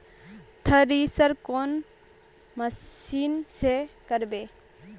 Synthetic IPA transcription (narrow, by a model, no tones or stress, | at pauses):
t̪ʰəɾisəɾkon | məsinsekəɾbe